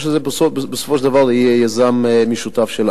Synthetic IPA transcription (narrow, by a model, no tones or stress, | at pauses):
ʃfɐzeɾpɐsoppsfoʃd̪ɐvalˠd̪ɐiɐjɐzamɛmiʃut̪afʃelˠ